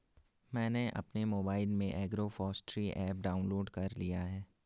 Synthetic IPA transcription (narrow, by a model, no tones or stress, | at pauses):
mɛ̃ːneʔɐ̰pnemoːbaːɪlmẽʔɛːɡɾofɔːsʈɾiʔɛːp̚ɖaːʊ̃nloːɖkɐɾlijaɦɛː